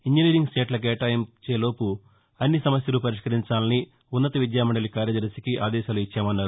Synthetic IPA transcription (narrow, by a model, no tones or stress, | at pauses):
iɲd͡ʒiniːɾiŋɡsʈeːʈlɐk̬ɛːʈaːjemt͡ʃeːlo̞ːpu | ɐnːisɐmɐsjɐlupɐɾiʂkɐɾiɲt͡ʃaːlɐni | unːɐt̪ɐʋid̪jaːmɐɳɖɐlikaːɾjɐd̪ɐɾsikiʔa̰ːd̪ɛːʃaːluit͡ʃːaːmɐnːaːɾu